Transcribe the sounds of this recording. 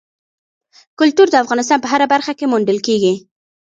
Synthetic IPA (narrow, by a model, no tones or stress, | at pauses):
kʊlt̪uɾd̪əafɣɑnɪs̬t̪ɑnpəɦaɾabaɾxakemuɳɖəlkeɡi